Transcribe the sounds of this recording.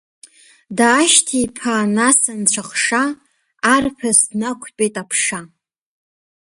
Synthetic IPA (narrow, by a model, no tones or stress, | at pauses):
daːʃtʰipʰanasant͡ɕʷʰaχʂaː | rpʰasnakʷʰt͡pʼejtʼapʰʂa